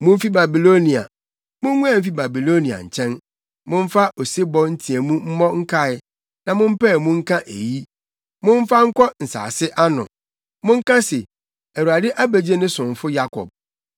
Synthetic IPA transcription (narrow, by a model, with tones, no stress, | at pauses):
mʊ̃˦m̩˦fi˦ba˨bi˨lo˦nĩ˨a̰˨ | mʊ̃˦ŋũ˦ã˨m̩˦fi˦ba˨bi˨lo˦nĩ˨a̰˨ɲ̩˨t͡ɕʰɛ̃˦n | mʊ̃˦m̩˦fa˦o˨se˦bɔ˦n̩˦tʰi˨e˨mũ˦m̩˦mɔ̃˦ŋ̩˦kʰa˦ɪ˦ | nã˨mʊ̃˦m̩˦pɛ˦˨mʊ̃˦ŋ̩˦kʰã˦ʔe˨ji˦ | mʊ̃˦ɱ̩˦fa˦ŋ̩˦kɔ˦n̩˨sa̰ː˨sɪ˦ʔa˦nʊ̰̃˨ | mʊ̃˦ŋ̩˦kã˦se˨ | æ˨wu˨a˨dɪ˦ʔa˦be˨d͡ʑe˦nʊ̃˦sʊ̃˨ɱ˨fʊ˦ja˦kʰɔ̰˨b̚